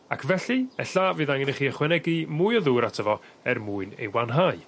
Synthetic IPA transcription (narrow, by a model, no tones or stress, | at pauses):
akʰvɛɬiɛɬavɨːðaŋɪnəχiːəχwɛnɛɡimuːjɔðuːɾatʰəvɔ | ɛrmuːɨnḛjwanɦaɨ